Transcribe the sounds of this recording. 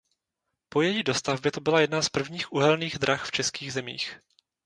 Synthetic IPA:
po̞jɛjiːdo̞st̪avbjɛt̪obɪlajɛdnaspr̩vɲiːxʔuɦɛlniːɣd̪ɾaxft͡ʃɛskiːɣzɛmḭːx

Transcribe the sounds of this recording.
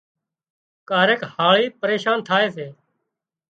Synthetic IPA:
kaːɾeːkhaːɭiːpəɾeːʃaːnt̪ʰaːeːseː

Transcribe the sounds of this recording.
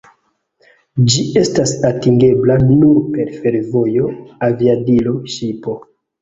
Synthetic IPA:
d͡ʒie̞stasatiŋɡe̞blanuɾpe̞ɾfe̞ɾvo̞jo̞aviadilo̞ʃipo̞

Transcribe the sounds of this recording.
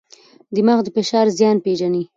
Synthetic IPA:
d̪əmaxd̪əfɪʃɑɾzjɑnpeʒani

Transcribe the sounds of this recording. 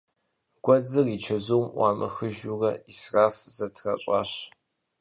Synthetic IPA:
ɡ̥ʷɔd͡zɨrit͡ʃʰɐzuwmʔʷɑ̰ːmɐ̰xɨʒurɐisraːfz̥ɐtʰrɐ̰ɕʷʼɑ̰ːɕ

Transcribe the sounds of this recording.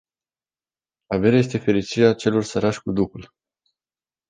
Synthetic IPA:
ave̞ɾae̞st̪e̞fe̞ɾit͡ʃiɾeat͡ʃe̞lo̞rsəɾaʃʲkud̪ukul

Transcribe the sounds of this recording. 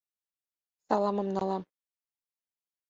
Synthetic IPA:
sɑlˠɑmɤ̆mnɑlˠɑm

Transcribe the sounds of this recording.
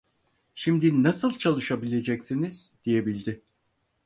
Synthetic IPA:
ʃimd̪inasɯlˠt͡ʃʰalˠɯʃabilʲe̞d͡ʒɛcsiniz̥d̪̥ije̞bilʲd̪ɪ

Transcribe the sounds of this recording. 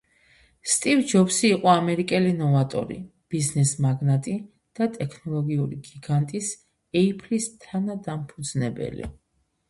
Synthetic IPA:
st̪ʼivd͡ʒɔpsiːqʼɔamɛɾikʼɛlinɔvat̪ʼɔ̰ɾḭ | b̥iznɛsmaɡnat̪ʼi | d̪̥at̪ʼɛkʰnɔlˠɔɡiuɾḭɡiɡant̪ʼis | ɛipʰlist̪ʰanad̪ampʰud̪z̥nɛbɛ̰lḭ

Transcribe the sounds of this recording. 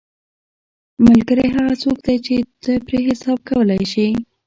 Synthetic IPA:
mʊlɡəɾajɦaɣat͡sokd̪ajt͡ʃet̪əpɾeɦɪsɑb̚kawəlajʃi

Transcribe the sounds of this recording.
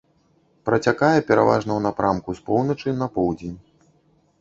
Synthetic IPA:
pɾɐt͡sʲakajɛpʲɛɾa̰va̰ʐnɐwnapɾamkuspɔwnɐt͡ʂɨnɐpɔwd͡zʲenʲ

